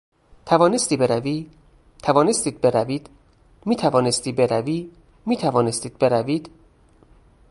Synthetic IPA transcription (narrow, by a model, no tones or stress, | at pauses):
t̪ʰævɒːnest̪iːbeɾæviː | t̪ʰævɒːne̞st̪iːd̪̚be̞ɾæviːd̪̥ | miːt̪ʰævɒːnest̪iːbe̞ɾæviː | miːt̪ʰævɒːne̞st̪iːd̪̚be̞ɾæviːd̪̥